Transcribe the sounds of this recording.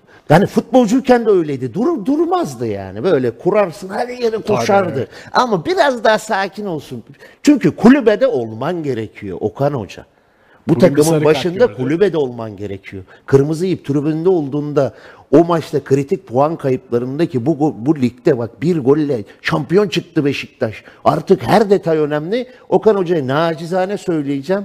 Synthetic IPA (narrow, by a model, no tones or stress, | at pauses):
hanifut̪̚bo̞lˠd͡ʒujcʰɛnd̪ɛø̞jlʲejd̪id̪uɾd̪uɾmazd̪ɯja̰ːnibø̞jlʲɛkʰuɾaɾsɯnhalʲijeɾɛkʰoʃaɾd̪ɯamabiɾazd̪aɦasaːcʰino̞lˠsunt͡ʃʰyɲcykʰulʲybed̪ɛo̞lˠmanɟe̞ɾecʰijo̞̰ʔo̞̰kʰano̞̰d͡ʒa̰ | but̪ʰakɯmɯnbaʃɯnd̪akʰulʲybed̪ɛo̞lˠmanɟe̞ɾecʰijo̞ | kʰɯɾmɯzɯijɯp̚t̪ʰyɾybynd̪ɛo̞lˠd̪uːnd̪a | o̞mat͡ʃt̪akʰɯɾit̪ʰic̚pʰoankʰajɯplˠaɾɯnd̪acʰibuɡobulʲic̚t̪ɛbak̚biɾɡo̞lʲːɛʃampijo̞nt͡ʃʰɯk̚t̪ɯbe̞ʃic̚t̪ʰaʃaɾt̪ʰɯkhæɾd̪e̞t̪ʰajø̞næmlʲɪo̞kano̞d͡ʒajanaːd͡ʒizaːnɛsø̞jlʲijid͡ʒɛm